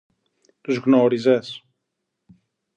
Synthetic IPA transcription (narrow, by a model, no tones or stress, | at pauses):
t̪uzɣnoɾizes